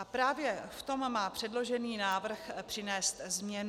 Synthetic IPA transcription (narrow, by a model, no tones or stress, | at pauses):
apɾaːvjɛft̪o̞mmaːpr̥ɛdlo̞ʒɛniːnaːvr̩xpr̝̥ɪnɛːst̪zmɲɛn